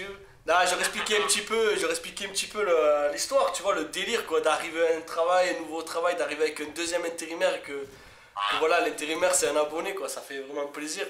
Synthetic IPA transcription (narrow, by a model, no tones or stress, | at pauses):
d̪aʒəʁɛksplikʲɛɛ̃pət̪ipøʒəʁɛksplikʲɛ̃mpət̪ipøləlist̪waʁt̪yvwaləd̪eliʁkwad̪aʁiveɛ̃t̪χavajɛ̃nuvot̪χavajd̪aʁiveavɛkɛ̃nd̪øzjɛmɛ̃t̪eʁimɛʁekə | kəvwalalɛ̃t̪eʁimɛʁsɛt̪ɛ̃nabɔnekwasafɛvʁɛmɑ̃pleziʁ